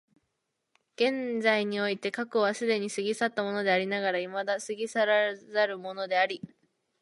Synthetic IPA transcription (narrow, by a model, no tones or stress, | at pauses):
ɡ̥ẽ̞nd͡zaiɲ̟io̞it̪e̞kakɯβasɨd̪e̞ɲ̟isɨɡʲisat̪ːamo̞no̞d̪e̞aɾʲinaɡaɾaimad̪asɨɡʲisaɾazaɾɯ̟mo̞no̞d̪e̞aɾʲi